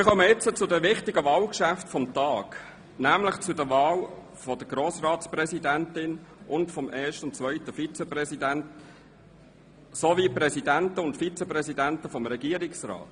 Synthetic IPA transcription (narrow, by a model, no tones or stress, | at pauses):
mɪχœməɪt͡sːət͡sʊdəʋɪχtɪɡəvɑːlkʃæftfɔmt̪ɑːk | næːmlɪχt͡sʊdəvɑːl | fɔd̥əɡɾoːsrɑːtsprɛsidæntɪnʊntfɔmʔɛːɐʃtəʊnt͡svœʏɪtəfit͡sɛprɛsidænt | soviprɛsidæntəʊntfit͡sɛprɛsidæntəfɔmɾɛɡiːɾɪksrɑ̰ːt